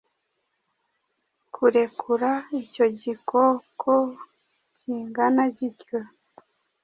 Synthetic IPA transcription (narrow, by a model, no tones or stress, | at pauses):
kʰuɾe̞kʰuɾaico̞ɟikʰokʰo | ciːŋɡanaɟitjo